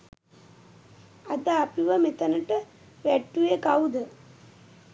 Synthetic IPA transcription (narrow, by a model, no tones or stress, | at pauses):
ɐd̪aːpiʋəmet̪ɐnəʈə | ʋæʈːuekawud̪ə